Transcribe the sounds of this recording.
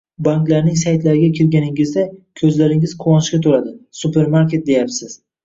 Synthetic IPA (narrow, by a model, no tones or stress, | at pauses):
baŋklaɾnɪŋsajt̪laɾɪɡʲakʲʰɪɾɡʲanɪŋɪzd̪akʲʰɵzlaɾɪŋɪz̥qʰʊwɒnʃkʲat̪ʰoɾad̪ɪsupe̞ɾmaɾkʲe̞t̪̚d̪e̞japsɪz̥